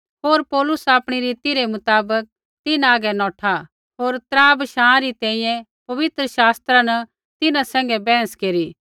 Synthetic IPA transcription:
ɦoːɾpɔːlʊsaːpɽ̃iɾiːt̪iɾemʊt̪aːbək̚ | t̪ɪnaːɡɛnɔ̃ːʈʰa | ɦoːɾt̪ɾãːbʃãːãɾit̪ɛ̃ːĩjɛ̃ | pɐʋɪt̪ɾəʃaːst̪ɾanɐ | t̪ɪnãsɛ̃ːŋɡɛbɛ̃ːə̃skeːɾi

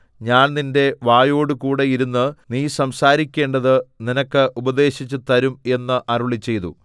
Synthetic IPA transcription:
ɲaːnninde̞ʋaːjo̞ːɽɨkuːɽe̞jiɾunːɨniːsɐmsaːɾikʲːe̞ːɳɖɐðɨninɐkːɨʔubɐd̪e̞ːɕit͡ɕːut̪ɐɾume̞nːɨʔɐruɭit͡ɕːe̞jt̪ṵ

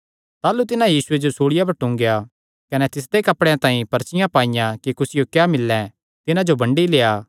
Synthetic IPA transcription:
t̪aːlut̪ɪnãjiːsʊed͡ʒosuːɽɪjapɐɾʈʊ̃ŋɡja | kɐnɛt̪ɪsd̪ekɐpɽeãt̪ãːĩpɐɾt͡ʃɪjãpaːɪjãkikʊsɪjokjaːmɪlːɛ̃ | t̪ɪnãd͡ʒobɐ̃ɳɖileːaː

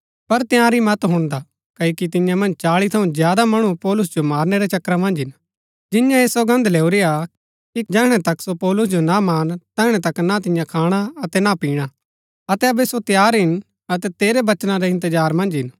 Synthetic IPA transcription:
pɐɾt̪jãːɾimɐt̪ɦʊ̃nd̪a | kɐokit̪̬ɪ̃jãmɐ̃nd͡ʒt͡ʃaːɭit̪ʰɐũzjaːd̪amɐɽ̃upɔːlʊs̬d͡ʒomaːɾneɾet͡ʃɐkɾamɐ̃nd͡ʒɦɪn | d͡ʒɪjãeːsoɡɐ̃nd̪leːuɾija | kid͡ʒɛɦɽ̃ɛt̪ɐksopɔːlʊsd͡ʒonamaːnt̪ɛːɦɽ̃ɛ̃t̪ɐknat̪̬ɪ̃jãkʰaːɽ̃aɐt̪ɛnapiːɽ̃a | ɐt̪ɛɐbɛsot̪jaːɾɦɪn | ɐt̪ɛt̪eːɾebɐt͡ʃnãɾeɪ̃nt̪əd͡ʒaːɾmɐ̃nd͡ʒɦɪn

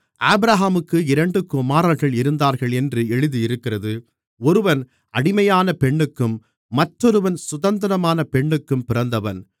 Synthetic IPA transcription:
ʔaːbɪɾaːɦaːmɯkːɯɪɾɐɳɖɯkʊmaːɾɐlɣɐɭɪɾɯnd̪aːɾɣɐɭɛndrɯɛɻɯðijɪɾɯkːɪrɐðɯ | ɔɾɯʋɐn | ɐɽɪmɐjaːnɐpɛɳːɯkːɯmː | ɐʈːɔɾɯʋɐnsʊðɐnd̪ɐɾɐmaːnɐpɛɳːɯkːɯmpɪɾɐnd̪ɐʋɐn

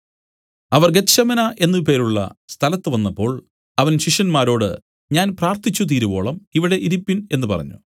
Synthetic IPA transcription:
ɐʋɐrɡeɕɐmɐnɐʔe̞nːɨp̬e̞ːɾuɭːɐ̰st̪ʰɐlɐt̪ːɨʋɐnːɐpːo̞ːɭ | ɐʋɐnɕiʂjɐnmaːɾo̞ːɽɨ̰ | ɲaːnpraːrt̪it͡ɕːut̪̬iːɾubo̞̰ːɭɐmiʋiɽe̞ʔiɾipːine̞nːɨpɐ̰rɐ̰ɲːṵ

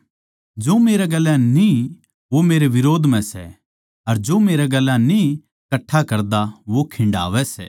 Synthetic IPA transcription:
d͡ʒoːmeːɾeɡɐlːãnĩ | ʋomeːɾeʋɪɾoːd̪ʱmɛ̃sɛ̰ | ɐɾd͡ʒoːmeːɾaɡɐlːãnĩ | kɐʈʰːakɐɾd̪aʋokʰɪ̃ɳɖa̰ːʋɛsɛ̰

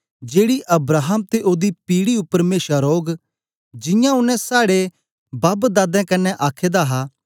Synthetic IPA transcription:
d͡ʒeːɽiʔɐbɾaːɦəmt̪eʔoːd̪ipiːɽiʊpːəɾmeːsaɾoːɡ | d͡ʒɪ̃jãʊnːɛ̃saːɽe | baːbd̪aːd̪ɛ̃kɐnɛʔaːkʰeːd̪aɦa

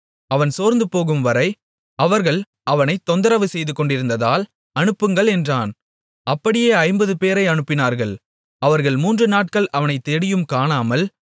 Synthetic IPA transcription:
ɐʋɐnsoːɾnd̪ɯpoːɣɯmʋɐɾɐɪ | ɐʋɐɾɣɐɭ | ɐʋɐnɐɪt̪ːɔnd̪ɐɾɐʋɯsɛjðɯkːɔɳɖɪɾɯnd̪ɐðaːl | ɐnɯpːɯŋɡɐɭɛndraːn | ɐpːɐɽɪjeːɐɪmbɐðɯpeːɾɐɪɐnɯpːɪnaːɾɣɐɭ | ɐʋɐɾɣɐɭmuːndrɯnaːʈ̚kɐɭʔɐʋɐnɐɪt̪ːɛɽɪjɯmkaːnaːmɐl

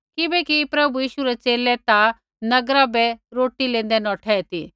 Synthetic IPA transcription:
kɪbɛkipɾɐbujiːʃuɾɛt͡ʃeːlɛt̪a | nɐɡɾabɛɾoːʈilẽːnd̪ɛnɔːʈʰɛːɛt̪ḭ

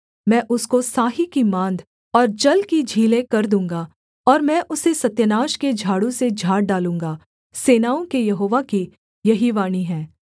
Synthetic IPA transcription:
mɛ̃ːʔʊskosaːɦikimãːnd̪ʱ | ɔːɾd͡ʒɐlkid͡ʒʱiːlẽkɐɾd̪ũːŋɡaː | ɔːɾmɛ̃ːʔʊsesɐt̪jənaːʃked͡ʒʱaːɽõsed͡ʒʱaːɽ̚ɖaːlũːŋɡaː | seːnaːõkejɐɦoːʋaki | jɐɦiʋaːniɦɛ̃ː

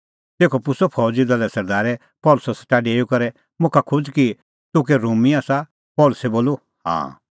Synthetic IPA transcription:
t̪eːkʰɔpʊsɔpʰɔːd͡ʒid̪ɐlɛsɐɾd̪aːɾɛ | pɔːlʊsɔsɛ̥ʈaːɖeːjukɐɾɛ | mʊ̃kʰakʰʊd͡ʒki | t̪ʊk̬ɛɾuːmiaːsa | pɔːlʊsɛboːlu | hã̰ː

